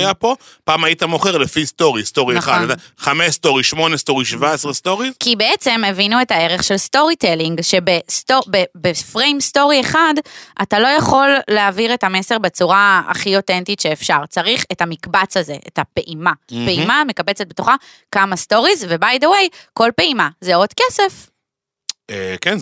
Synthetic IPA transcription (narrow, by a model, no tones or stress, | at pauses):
japo̞paːmajit̪amo̞χeʁlefisto̞ʁist̪o̞ʁieχad̪taχameʃst̪o̞ʁiʃmo̞nest̪o̞ʁiʃvaesʁest̪o̞ʁizkibeet͡se̞mevinue̞thae̞ʁe̞χʃelsto̞ʁiteliŋɡʃe̞bestobebefʁejmsto̞ʁieχadʔatalo̞jaχo̞lːeaviʁe̞thame̞se̞ʁbe̞t͡suʁaa̰χio̞tentitʃeːfʃaʁt͡saʁiχetamikbat͡shazeʔḛthapeʔimapeimame̞kabet͡set̚betoχa | kamasto̞ʁizvebajdowe̞jko̞lpeimazeo̞dkesef | eken